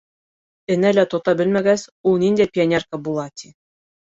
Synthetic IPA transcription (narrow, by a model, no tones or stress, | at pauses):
ɘ̆nælæt̪ot̪ɑbɘlmæɡæsulˠnind̪æjpʲɪonʲerkəbulˠɑt̪ʲʰi